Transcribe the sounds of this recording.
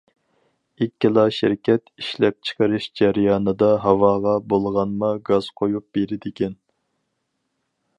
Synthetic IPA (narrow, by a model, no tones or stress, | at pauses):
ɪkʲːilˠɑʃɪɾkʲɛt̪iʃlɛp̚t͡ʃʰə̥qʰəɾɨʃd͡ʒæɾɪjɑːnɨd̪ɑɦɑwɑːʁɑbolˠʁɑnmɑɡɑz̥qʰojup̚b̥eɾɪd̪ɪkʲʰɛn